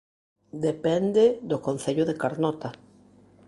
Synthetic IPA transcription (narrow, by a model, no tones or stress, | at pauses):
d̪epend̪ed̪okon̟θeʎoðekaɾnɔt̪a